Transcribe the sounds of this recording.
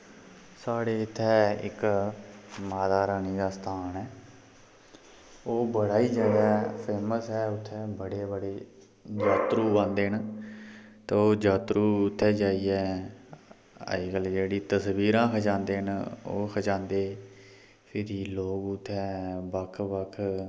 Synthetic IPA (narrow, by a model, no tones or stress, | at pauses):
saːɽeːɪt̪ʰːɛːɪ̰k | maːd̪aːɾaːniːɡaːsə̥t̪ʰaːnɛː | oːbəɽaːiːd͡ʒad̪ɛːpʰeːməsɦɛːʊt̪ʰːɛːbəɽeːbəɽeː | d͡ʒaːt̪ɾuːbãːnd̪eːɦən | t̪eːoːd͡ʒaːt̪ɾuːʊt̪ʰːɛːd͡ʒaːiːɛː | ə̰ɡəld͡ʒeːɽiːt̪əsʋiːɾãːkʰəd͡ʒãːnd̪eːəno̰ːkʰəd͡ʒãːnd̪eː | pʰɪɾiːloːɡʊt̪ʰːɛːbəkʰbəkʰ